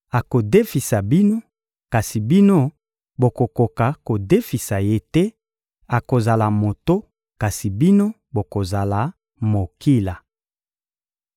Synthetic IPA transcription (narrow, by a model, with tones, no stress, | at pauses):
a˨ko˨de˦fi˨sa˨bi˦no˦ | ka˨si˨bi˦no˦ | bo˨ko˨ko˨ka˨ko˨de˦fi˨sa˨je˦tɛ˦ | a˨ko˨za˨la˨mo˨to˦ | ka˨si˨bi˦no˦ | bo˨ko˨za˨la˨ | mo˨ki˦la˨